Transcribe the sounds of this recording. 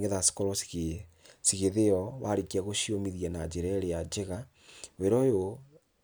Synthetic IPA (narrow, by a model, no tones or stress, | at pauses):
ŋeðasi̥kɔɾɔs | siɣeðeɔβaɾikiaɣoʃiomiðjanad͡ʒeɾɛɾead͡ʒeɣa | weɾɔjo